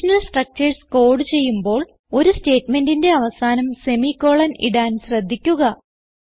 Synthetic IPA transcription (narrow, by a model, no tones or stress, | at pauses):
ɐnɐlsʈrɐk̚t͡ɕɐrsko̞ːɽɨt͡ɕe̞jːumbo̞ːɭ | o̞ɾuste̞ːtme̞ndinde̞ɐʋɐsaːnɐmse̞mikːo̞ːɭɐnḭɽaːnɕrɐd̪ʱːikʲːuɣɐ